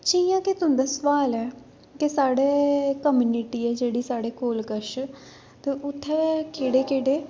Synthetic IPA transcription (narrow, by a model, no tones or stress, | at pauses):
t͡ʃijãːket̪ʊɦnd̪aːsʋaːlɛː | kesaːɽeːkəmjuːniʈiːɛːd͡ʒeːɽiːsaːɽeːkoːlkəʃ | t̪eːʔʊt̪ʰːɛːkʰeːɽeːkeːɖeː